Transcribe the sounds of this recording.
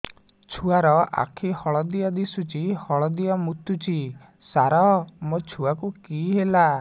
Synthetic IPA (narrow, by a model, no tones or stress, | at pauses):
t͡ʃʰuaɾɔa̰kʰihɔɭɔd̪iad̪isut͡ʃʰihɔɭɔd̪iamut̪ut͡ʃʰi | saɾɔmot͡ʃʰuakukiɦela